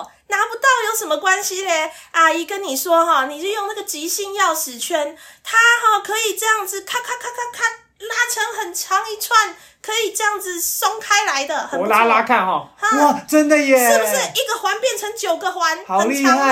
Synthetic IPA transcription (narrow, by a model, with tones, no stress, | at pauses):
na˧˥pu˧˥t̪ɑ˥˩ʊjo˥˩ʊʂə˧˥nmə˧kwa˦nɕi˧le˧ʔa˨˩i˨˩kə˦˥nːi˨˩ʂwɔ˥ɦɔ˥˧ni˨˩jo˥˧jo˥˧ŋna˥˩ɡə˨˩t͡ɕi˧˥ɕi˥˧ŋjɑ˥˩ʊʂɻ̩˨˩t͡ɕʰɥɛ˧˥nt̪ʰa˦˥hɔ˥˩kʰɤ˧˦i˨˩ʈ͡ʂɤ˥˧jɑ˥˩ŋd͡z̩˨kʰa˥˧kʰa˥˧kʰa˥˧kʰa˥˧kʰa˥˩n | la˦˥ʈ͡ʂʰə˧˥ŋxə˨˩nt͡ɕʰjɑ˧˦ŋi˧˩t͡sʰwa˥˩n | kʰɤ˧˥i˨˩ʈ͡ʂɤ˥˧jɑ˥˩ŋd͡zɹ̩˨so˥ŋkʰa˥ɪla˧˦ɪd̪ə˧xə˨˩˨la˦˥la˥kʰa˥˨nɦɔ˨˩hə˨˥˩ʈ͡ʂə˦˥nd̪ə˨jɛ˨ʂ̩˨˩˥bu˨˩ʂɻ̩˥˩i˨˥ɡə˨xwa˧˥npjɛ˥˩nʈ͡ʂʰə˧˦ŋt͡ɕjo˨˩ʊɡə˦xwa˧˦n˨ə˨nʰ˥˧ɑ˧˦ŋ